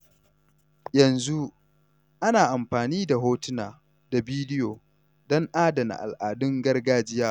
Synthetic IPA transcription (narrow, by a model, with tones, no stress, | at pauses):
jɐ˨nzu˦ | ʔa˦naː˨ʔa˨mɸaː˨niː˦da˨ɦoː˦tɪ˦naː˨ | da˨biː˦dɪ˦joː˨ | dɔ˦ŋʔaː˦da˨na̰˨ʔa̰˨lʔaː˨dʊ˦ŋɡɐ˦rɡaː˦d͡ʒɪ˦jaː˦